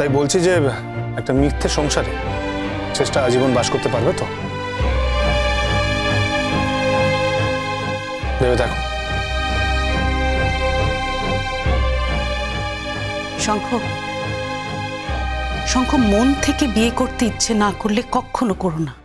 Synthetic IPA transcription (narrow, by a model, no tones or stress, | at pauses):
t̪ajbolt͡ɕʰid͡ʑe | ɛk̚ʈamikt̪ʰːeʃɔŋʃaɾ | t͡ɕeʃʈaad͡ʑibonbaʃkoɾt̪epaɾbet̪o | d̪ebet̪ʰɛkʰo | ʃɔŋkʰo | ʃɔŋkʰomont̪ʰekebiekoɾt̪eitːɕʰenakoɾlekɔkʰːonokoɾona